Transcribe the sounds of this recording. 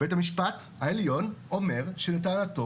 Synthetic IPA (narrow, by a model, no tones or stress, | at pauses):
ethamiʃpat | haeljo̞no̞me̞ʁʃeletaːnato